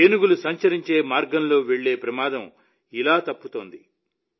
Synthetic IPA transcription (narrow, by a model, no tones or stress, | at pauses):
enuɡulusɐɲt͡ʃɐɾiɲt͡ʃe̞ːmaːɾɡɐmlo̞ːʋeɭːe̞ːpɾɐmaːd̪ɐm | ilaːt̪ɐpːut̪o̞ːnd̪i